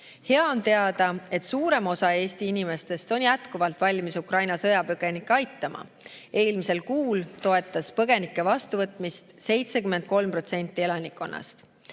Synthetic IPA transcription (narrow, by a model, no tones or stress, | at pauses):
he̞ɑo̞nt̪e̞ɑd̪ɑe̞t̪suːɾe̞mo̞sɑe̞ːst̪iinime̞st̪e̞st̪o̞njæt̪kuvɑlt̪ˑvɑlʲmisukrɑjnɑsɤ̞jɑpøɡ̥enikːˑeɑjt̪ːˑɑmʔɑ̰ | e̞ːlmise̞lkuːlt̪o̞e̞t̪ˑːɑspɤɡ̥e̞nikːˑe̞vɑst̪uvɤt̪ˑmist̪se̞jt̪sekyment̪̚ko̞lmpro̞t̪se̞nʲt̪ːˑie̞lɑnikːˑo̞nːɑ̰st̪